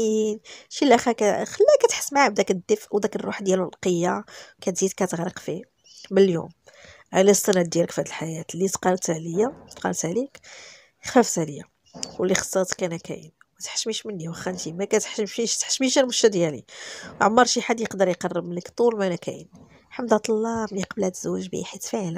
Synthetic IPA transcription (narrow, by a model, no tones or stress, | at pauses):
inʃilʔæxikæxəlːækæt̪ħə̥smaʕab̚d̪ækəd̪ːəfʔwd̪ækərˤːuħd̪jæləlqəjːakæt̪zid̪kæt̪əɣɾəqfi | bəljṵm | ʕalæst̪ˤənæd̪d̪jæləkfhæd̪əlħajæt̪lit̪qɑnt̪hæləjːat̪qɑ̰nt̪hlik | xæft̪æləjːa̰ | kulːixsˤːɑt̪kænækæ̰jə̰n | mæt̪ħʃmiʃmənːiwəxːænt̪imækæt̪ħʃəmʃiʃt̪ħʃmiʃælmʊʃt̪æd̪jælḭʕomːɑɾˤʃiħad̪jəqd̪əɾjqɑrˤːəbmənːəkt̪ˤulmænækʰæ̰jə̰n | ħamd̪hæt̪ˤɑlːɑbliqɑbəlhæt̪z̥uwːæʒbḭħit̪fiʕl